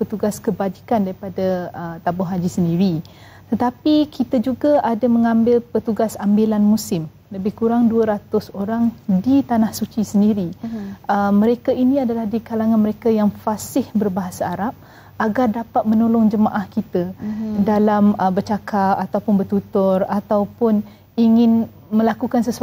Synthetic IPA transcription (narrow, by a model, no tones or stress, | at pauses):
pət̪uɡaskəbad͡ʒikandaɾipadaət̪abʊɦad͡ʒisəndiɾi | t̪ət̪apikit̪əd͡ʒuɡaʔadamə̃ŋãmbɪlpət̪uɡasambilanmusɪm | ləbɪhkuɾaŋduəɾat̪ʊsoɾaŋdit̪anahsut͡ʃisəndiɾiəːə̃ɾekainĩadalahdikalaŋanməɾekajaŋfasɪhbərbaɦasaːɾap̚ | aɡardapat̪̚mə̃nolɔŋd͡ʒəmaʔahkit̪adalaməbərt͡ʃakapat̪awpʊnbərt̪ut̪ʊrat̪awpʊn | iŋɪn | mə̃lakukansəs